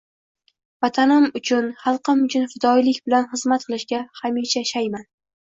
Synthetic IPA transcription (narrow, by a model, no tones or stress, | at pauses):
vat̪ʰanɪmʊt͡ʃʰʊnχɑlˠqɨmʊt͡ʃʰʊnfɪd̪ɒjlɪkʲbɪlanχɨzmat̪̚qʰɨlˠɪʃɡʲahamiʃʰaʃajman